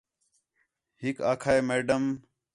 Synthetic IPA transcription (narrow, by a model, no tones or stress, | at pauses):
hɪkaːkʰaːeːmeːɖəm